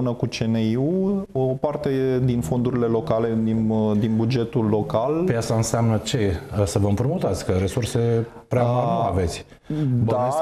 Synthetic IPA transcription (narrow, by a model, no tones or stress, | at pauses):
unəkut͡ʃeneuopart̪e̞d̪info̞nd̪uɾile̞lo̞kale̞d̪ind̪inbud͡ʒe̞t̪ulːo̞kalpjat̪saɨnseamnət͡ʃe̞səvəɨmpɾumut̪at̪sʲkəɾe̞surse̞ | pɾeamaave̞t̪sʲ | d̪a